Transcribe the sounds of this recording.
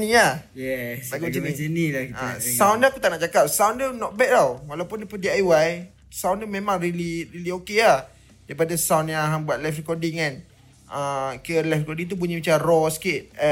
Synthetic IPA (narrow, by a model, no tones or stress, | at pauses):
nĩa | jɛsnnilaka̰sawndaakut̪aʔnaʔt͡ʃakap̚sawndənɔʔ̚bɛʔ̚t̪awwalawpʊndipudiajwaj | sawndəmemãŋɾiliɾiliokeah | daipadasawnãaɦambuat̪̚lafrikɔdɪŋkan | əkiəlafrikɔdiŋt̪up̬uɲamat͡ʃarɔsə̥kɪt̪̚